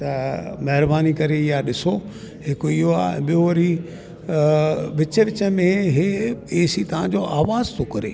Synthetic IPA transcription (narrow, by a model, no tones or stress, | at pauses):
t̪ɐmɐɦɪɾbaːnikɐɾejaɗɪso | hɪkoiɦoa̰ːɛ̰̃ːɓijoʋɐɾi | ʋɪt͡ɕəʋɪt͡ɕə̆mẽɦeeːsit̪ɐʋ̤ãd͡ʑoʔaːʋaːzt̪ʰokɐɾḛː